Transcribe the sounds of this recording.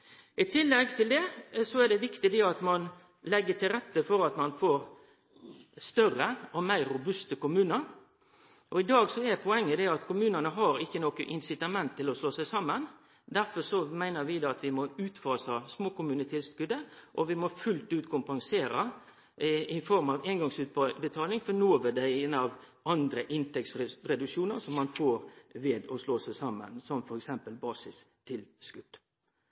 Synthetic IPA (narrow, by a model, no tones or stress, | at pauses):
ʔɪt̪ʰɪlːɛɡt̪ʰɪld̪ɛsɔɛɾd̪ɛʋɪkt̪ɪd̪ɛɑt̪mɑn | lɛɡːət̪ʰɪɾɛt̪ːəfɔɾɑt̪mɑnfoːɾ | st̪œrəɔmæɪɾʊbʉst̪əkʊmʉːnəɾ | ʔɔɪd̪ɑːɡsɔɛpʰɔɛŋːəd̪ɛɑt̪kʊmʉːnənəɦɑɾɪkːənoːkəʔɪnsɪt̪ɑmɛnt̪ʰːɪlɔsloːsæɪsɑmːən | d̪æɾfɔɾsɔmæɪnəɾʋɪd̪oːɑt̪ʋɪmɔʉːt̪fɑːsɑsmoːkʊmʉːnət̪ʰɪskʉd̪əʔɔʋɪmɔfʉlt̪ʉːt̪kʰʊmpɑŋseːɾə | ɪfɔɾmɑʋeːnɡɑŋsʉːt̪̚bət̪ʰɑːlɪŋfɔnoːʋəd̪æɪenəɑʋ | ɑnd̪ɾəʔɪnt̪ʰɛksɾɛd̪ʉkʂuːnəɾsɔmːɑnfoːɾʋeːd̪ɔsloːsæɪsɑmːə̰nsɔmfɔɾɛksɛmpəlbɑːsɪs | t̪ʰɪlskʉd̪̥